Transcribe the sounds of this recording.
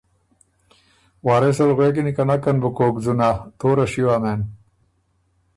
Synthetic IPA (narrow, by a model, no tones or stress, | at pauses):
waːɾesɐlɣwekinikɐnɐkɐnbukoːkd͡zunat̪oːɾɐɕiwaːmeːn